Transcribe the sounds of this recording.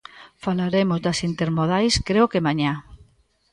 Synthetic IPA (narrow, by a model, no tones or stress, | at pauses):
falaɾemʊzd̪ɐsint̪eɾmoð̞ajskɾeokemaɲa